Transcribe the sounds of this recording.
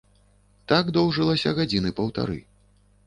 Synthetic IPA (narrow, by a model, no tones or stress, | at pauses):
t̪aɡd̪ɔwʐɨlˠɐsʲɐɣad͡zʲinɨpɐwt̪a̰ɾɨ̰